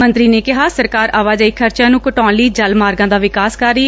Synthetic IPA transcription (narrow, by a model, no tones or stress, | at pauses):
mə̃nt̪ɾiːneːkɪɦaːsəɾkaːɾaːʋaːd͡ʒaːiːkʰəɾt͡ʃjãːnũːkəʈɔːnliːd͡ʒəlmaːɾɡãːd̪aːʋɪkaːskəɾːiː